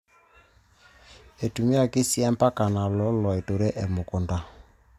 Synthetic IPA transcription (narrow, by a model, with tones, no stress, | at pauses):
e˨tu˨mi˦a˨ki˦sjɛ˦mpa˦ka˨na˨lɔ˦lɔ˨e˨to˨ɾɛ˦ʔe˨mo˨ko˨nda˨